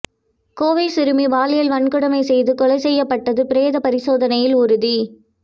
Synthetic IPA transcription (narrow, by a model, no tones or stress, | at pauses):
koːʋɐɪsɪɾɯmiʋaːlɪjɐlʋɐɳkɯɽɐmɐɪsɛjðɯkɔlɐɪsɛjːɐpːɐʈːɐðɯpɪɾeːðɐpɐɾɪsoːðɐnɐjɪlʊɾɯði